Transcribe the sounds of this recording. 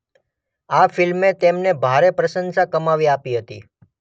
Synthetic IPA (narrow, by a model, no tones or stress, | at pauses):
afɪlmet̪emnebʱaɾepɾəʃənsakəmaʋiapiɦət̪ḭ